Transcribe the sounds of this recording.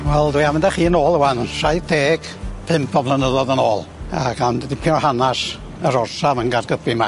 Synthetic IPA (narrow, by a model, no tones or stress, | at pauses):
wɛlˠdwihamɪndaχiːənoːlˠəwanənʃajdeːɡ̥pʰɨmpʰɔblˠanəðɔðənoːlˠaɡandədipʰɪnɔhanas | əɾɔrsavənɡarɡəbima